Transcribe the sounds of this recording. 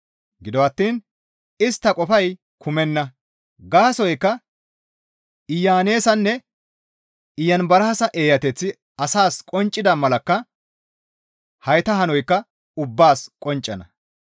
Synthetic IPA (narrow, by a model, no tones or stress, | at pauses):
ɡɪd̪ɔɐt̪ːiːn | ɪst̪ːɐkʼɔfɐj | kʰʊmɛnːɐ | ɡaːsɔjkːɐ | ɪjːaːne̞ːsɐnːɛ | ɪjːɐnbɐɾɐɐsɐʔeːjɐt̪ɛt͡sːɪ | ɐsaːskʼɔnt͡ʃʼːɪd̪ɐmɐlɐkːɐ | hɐjt̪ɐɦɐnɔjkːɐ | ʊbːaːskʼɔnt͡ʃʼːɐnɐ̰